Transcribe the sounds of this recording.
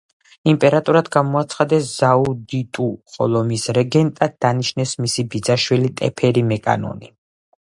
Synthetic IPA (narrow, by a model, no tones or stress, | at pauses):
impʼɛɾat̪ʼɔɾad̪ɡamɔat̪sʰχad̪ɛszaud̪it̪ʼuχʼɔ̰lˠɔmisɾɛɡɛnt̪ʼad̪̚d̪aniʃnɛsmisibid̪zaʃwilit̪ʼɛpʰɛɾimɛkʼa̰nɔ̰ni